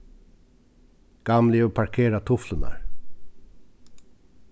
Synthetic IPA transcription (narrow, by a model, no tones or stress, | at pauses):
ɡ̥ɑmlɪupʰaɹkʰeːɾat̪ʰʊfləna̰ɹ